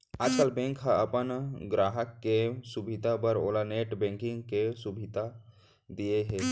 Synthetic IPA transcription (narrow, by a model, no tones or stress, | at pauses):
aːd͡ʒkaːlbɛ̃ːŋkɦaəpənɡɾaːɦəkːesubʱid̪ʱapəɾoːlaneːʈbɛ̃ŋkɪ̃ŋɡkesubʱid̪ʱa | d̪ieɦɛː